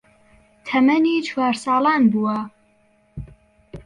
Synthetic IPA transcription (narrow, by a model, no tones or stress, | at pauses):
t̪ʰɐmɐniːt͡ʃʰwaːɾsɑːlɑːnbuwɐ